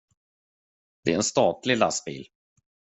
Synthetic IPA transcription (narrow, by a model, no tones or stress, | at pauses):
d̪̥ɛæɾɛnst̪ɑːt̪lɪlasbḭːl